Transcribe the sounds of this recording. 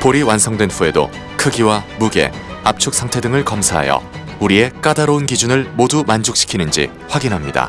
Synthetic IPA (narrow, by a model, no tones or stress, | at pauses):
poɾiwansʰʌŋdwenɸue̞do̰ | kʰɯɡiwamuɡe̞̰ap̚t͡ɕʰok̚s͈ʰaŋtʰe̞dɯŋɯɭkʌmsʰaɦa̰jʌ̰ | uɾie̞k͈adaɾounɡid͡ʑunɯɭmodumand͡ʑuk̚ɕ͈ʰi̥kʰinɯnd͡ʑḭ | ɸwaɡinɦamɲida̰